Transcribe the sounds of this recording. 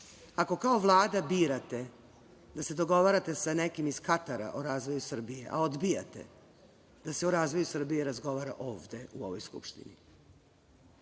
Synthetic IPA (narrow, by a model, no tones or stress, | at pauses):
ako̞kao̞ʋlˠaːd̪abiːɾat̪e̞ | d̪ase̞d̪o̞ɡo̞ʋaːɾat̪e̞sane̞kimiz̥kat̪aɾa̰ʔoɾaːzʋo̞jusr̩bije̞̰ʔa̰o̞d̪bija̰t̪e̞̰ | d̪̥aseoɾaːzʋojusr̩bijeɾazɡo̞ʋaːɾaʔoːvd̪e̞uo̞̰ʋojskṵpʃt̪ḭnḭ